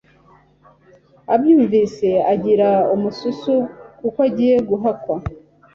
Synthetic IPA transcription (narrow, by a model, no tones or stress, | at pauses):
abjuːɱviːse̞aɟiɾaumususukukoaɟiːje̞ɡuɦakwa